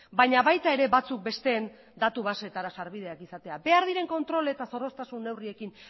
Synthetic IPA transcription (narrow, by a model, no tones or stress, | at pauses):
baɲaβajt̪ae̞ɾe̞βat͡suk̚be̞st̪e̞ːn | d̪at̪uβ̞ase̞t̪aɾasaɾβið̞e̞akisat̪e̞abe̞aɾð̞iɾe̞ŋko̞nt̪ɾo̞let̪aso̞ro̞st̪asunːe̞wrie̞kin